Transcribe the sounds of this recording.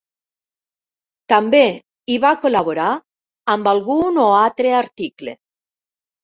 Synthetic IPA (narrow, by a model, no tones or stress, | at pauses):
t̪ambe | iβakolaβoɾa | ambalɣunoat̪ɾeaɾt̪iklḛ